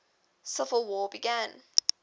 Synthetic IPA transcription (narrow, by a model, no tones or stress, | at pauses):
sʌfəlˠwɔːbiɡæ̃n